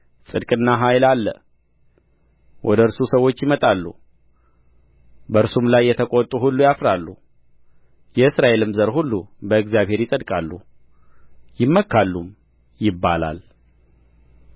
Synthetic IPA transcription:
sʼɨd̪kʼɨnːaɦajlalːə | wʔɔd̪əɨɾsusəwo̞t͡ʃːjɪmət̪ʼalːu | bəɾsumlajːɛt̪ʰəkʼot̪ʼuɦulːujafɾalːu | jɛɨsɾaʔe̞lɨmzəɾɦulːubəɨɡzijaβhe̞ɾjɪsʼəd̪kʼalːu | jɪmːəkʰːalːum | jɪbːa̰la̰l

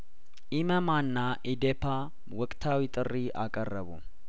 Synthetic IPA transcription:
ʔɪmɐmanːaʔɪd̪epa | wɔkʼt̪ʰawit̪ʼɨrːiʔa̰kʼɐrːɐβṵ

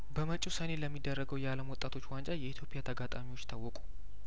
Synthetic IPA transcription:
bəmət͡ʃʼːusəne̞ləmːid̪ːərːəɡəwjɛaləmwɔt̪ʼːat̪ʰo̞t͡ʃːwand͡ʒʼajɛit̪jo̞pʼɪjat̪ʰəɡat̪ʼamiwo̞t͡ʃːt̪ʰawːɔkʼu̥

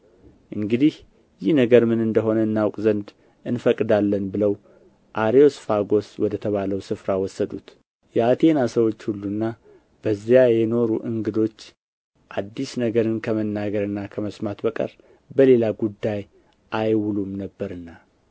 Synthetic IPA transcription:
ʔɨŋɡɨd̪ih | jɪhnəɡəɾmɨnɨnd̪əɦo̞nəɨnːawkʼzənd̪ | ɨnfəkʼːɨd̪alːənbɨləw | ʔaɾio̞sfaɡo̞swɔd̪ət̪ʰəβaləwsɨfɾawɔsːəd̪ut̪ | jɛat̪ʰe̞nasəwo̞t͡ʃːhulːunːa | bəzːjajɛno̞ɾuʔɨŋɡɨd̪o̞t͡ʃː | ʔad̪ːisnəɡəɾɨnkʰəmənːaɡəɾɨnːakʰəməsmat̪bəkʼə̰ɾ | bəle̞laɡud̪ːaj | ʔajwulumnəbːəɾɨnːa

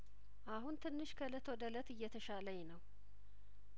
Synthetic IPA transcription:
ʔaɦunt̪ʰɨnːɨʃkʰələt̪ʰod̪ələt̪ɨjːɛt̪ʰəʃaləjɛnəw

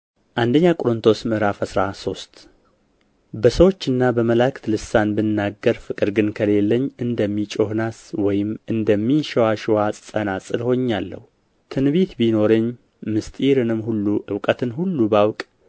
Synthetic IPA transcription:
ʔand̪əɲːakʼɾɨnt̪ʰo̞smɨɾafəsɾaso̞st̪ | bəsəwo̞t͡ʃːɨnːabəməlakt̪lɨsanbɨnːaɡːəɾfɨkʼɨɾɡɨnkʰəle̞lːəɲːɨnd̪əmːit͡ʃʼo̞hnaswɔjɪmɨnd̪əmːinʃɛwaʃiwasʼsʼənasʼɨlho̞ɲːalːə̰hu | t̪ʰɨnβet̪bino̞ɾɨɲː | mɨst̪ʼiɾɨnɨmhulːuʔɨwkʼət̪ʰɨnhulːubawkʼ

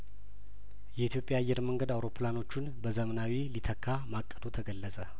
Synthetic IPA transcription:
jɛit̪ʰjo̞pʼjaːjːɛɾməŋɡəd̪awɾo̞plano̞t͡ʃːunbəzəmənawilit̪ʰəkʰːamakʼːəd̪ot̪ʰəɡəlːəsʼə

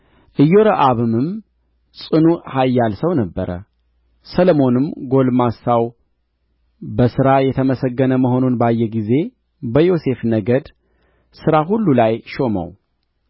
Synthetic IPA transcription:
ʔɨjːo̞ɾəʔaβɨmɨm | sʼɨnuhajːalsəwnəbːəɾə̰ | səlmo̞nɨmɡo̞lmasaw | bəsɨɾajɛt̪ʰəməsəɡːənəməɦo̞nunbajːɛɡize̞ | bəjo̞se̞fnəɡəd̪ | sɨɾaɦulːulajʃo̞mə̰w

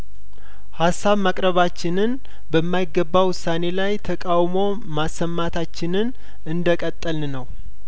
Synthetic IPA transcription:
hasːaβmakʼɾəβat͡ʃːɪnɨn | bəmːajɪɡːəbːawʊsːane̞lajt̪ʰəkʼawmo̞ | masːəmːat̪ʰat͡ʃːɪnɨn | ɨnd̪əkʼət̪ʼːəlnnəw

